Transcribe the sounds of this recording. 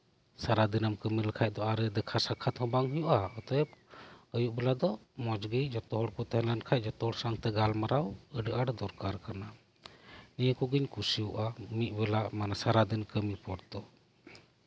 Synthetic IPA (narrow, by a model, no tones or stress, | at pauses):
saɾad̪inamkəmiləkʰac̚ˀd̪ɔaɾɛd̪ɛkʰasakʰat̪hɔ̃baŋɦujuʔaɔt̪ɔjpəjuʔbɛlad̪ɔmɔd͡ʒɡəjd͡ʒɔt̪ɔɦɔɽkɔt̪ɛɦɛ̃lankʰaj̚d͡ʒɔt̪ɔhɔɽsaŋt̪ɛɡalmaɾawəɖəʔaɽd̪ɔɾkaɾkana | nijəkɔɡiɲkusijuʔamit̪̚ˀbɛlamanasaɾad̪inkəmipɔɽt̪ɔ